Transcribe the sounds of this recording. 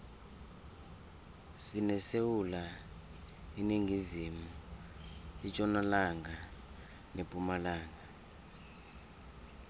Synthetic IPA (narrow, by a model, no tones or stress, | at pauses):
sinɛsewula | iniŋʱizimu | it͡ʃʼɔnalaŋɡʱa | nepʼumalaːŋɡʱa